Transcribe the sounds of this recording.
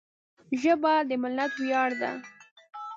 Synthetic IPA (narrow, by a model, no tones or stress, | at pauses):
ʒəbad̪əmɪlnat̪wjɑɽd̪a̰